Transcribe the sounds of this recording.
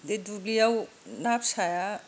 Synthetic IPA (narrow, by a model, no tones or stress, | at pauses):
d̪ed̪uɡijaw | napsaja